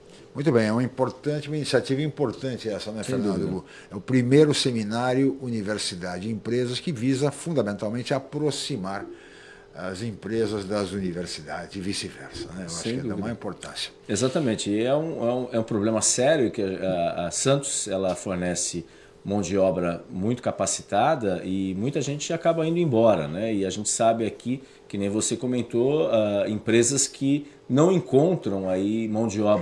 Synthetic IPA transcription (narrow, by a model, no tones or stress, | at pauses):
mũj̃t̪ʊbẽj̃ɛũɐĩpoɾt̪ɐ̃nt͡ʃɪũɐinisiat͡ʃivɐĩpoɾt̪ɐ̃t͡ʃɪɛsɐñɛfeɾnɐ̃nd̪ʊu | ɛʊpɾimejɾʊseminaɾjʊuniveɾsid̪ad͡ʒɪd͡ʒɪĩpɾezɐskɪvizɐfũd̪amẽnt̪awmẽnt͡ʃɪapɾosimaɾ | ɐzĩpɾezɐzd̪ɐzuniveɾsid̪ad͡ʒɪzd͡ʒɪvisɪvɛ̰ɾsɐnɛewaʃʊ̃kkɛãmaĩpoɾt̪ɐ̰̃sjɐ̥ezat̪ɐmẽnt͡ʃɪɛũɛũɛũpɾoblẽmɐsɛɾjʊkɪɐaːsɐ̃nt̪ʊ̥zɛlɐfoɾnɛsɪ | mɐ̃w̃d͡ʒɪɔbɾɐmũj̃t̪ʊkapasi̥t̪ad̪ɐɪmũj̃t̪ɐʒẽnt͡ʃɪakabɐĩd̪ʊẽbɔɾɐ̰nɛɪaʒẽnt͡ʃɪ̥sabɪaki | kɪnẽj̃vosekomẽnt̪oaẽpɾezɐskʰɪ | nɐ̃w̃ẽŋkõnt̪ɾɐ̃w̃aimɐ̃w̃d͡ʒɪɔb